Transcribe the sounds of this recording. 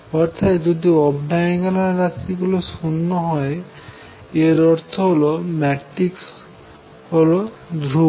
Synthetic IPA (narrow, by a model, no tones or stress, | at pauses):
ɔɾt̪ʰat̪d͡ʒod̪iɔbɖajɡalaɾasiɡulosunːɔɦɔe | eɾɔɾt̪ʰɔɦolomɛʈɾiks | holo | d̪ʱɾu